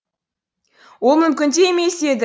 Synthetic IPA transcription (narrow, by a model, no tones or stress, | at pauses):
wolˠmʏmkʲɪnd̪emese̞d̪ɪ